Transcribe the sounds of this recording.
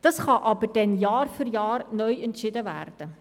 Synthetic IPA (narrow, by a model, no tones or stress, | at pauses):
d̥əsχɑʔɑbərdɛnjɑːrfyrjɑːrnœjəntʃɪdəvæ̰rd̥ə